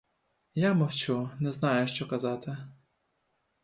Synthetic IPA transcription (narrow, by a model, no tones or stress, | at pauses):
jamɔwt͡ʃunɛznɑjʊʃt͡ʃɔkɐzɑt̪ɪ